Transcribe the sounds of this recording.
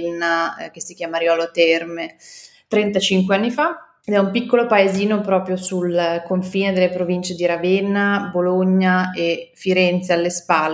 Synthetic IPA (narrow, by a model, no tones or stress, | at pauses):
nːak̟esːikjaːmaɾjɔːlot̪ɛrme | t̪ɾɛnt̪at͡ʃiŋkweanːifa | ed̪ɛumpikːolopaeziːnopɾɔːpɾjosulkoɱfiːned̪elːepɾovint͡ʃed̪iɾavenːaboloɲːaefiɾɛnt̪sealːespaːl